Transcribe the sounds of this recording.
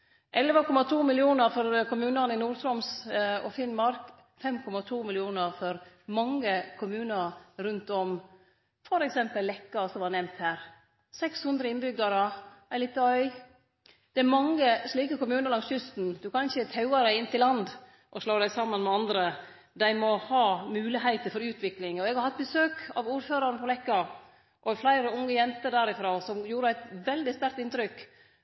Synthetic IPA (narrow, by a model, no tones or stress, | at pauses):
ʔɛləʋəkʰɔmɑt̪ʰuːmɪlɪuːnəɾfɔɾkʊmʉːnənɪnuːɾt̪ɾɔmsɔfɪnmɑɾk | fɛmkʰɔmɑt̪ʰuːmɪlɪuːnəɾfɔɾ | mɑŋːəkʰʊmʉːnəɾɾʉnt̪ɔm | fɔɾɛksɛmpəlːɛkːɑsɔmʋɑnɛmt̪hæːɾ | sɛkshʉnd̪ɾəɪnbʏɡd̪əɾəʔæɪliːt̪ːəœʏ | d̪̥ɛæɾmɑŋːəsliːkəkʊmʉːnəlɑŋsʏst̪n̩d̪ʉkʰɑnʃət̪ʰɑʉɑɾæɪɪnt̪ʰɪlːɑnd̪ | ʔɔʂloːd̪æɪsɑmːənmɛɑnd̪ɾə | d̪æɪmɔhɑːmʉːlɪɦæɪt̪əɾfɔɾʉːt̪ʰʋɪklɪŋɔɛɡhɑɾhɑt̪̚ːbəsøːkɑ̰ʋuːɾføːɾɑɾnəpʰɔlɛkːɑ | ʔɔflæɪɾəʊŋːəjɛnt̪əd̪æɾɪfɾoːsɔmjuːɾəæɪt̪ʋɛld̪ɪst̪æɾkt̪ɪnt̪ɾʏk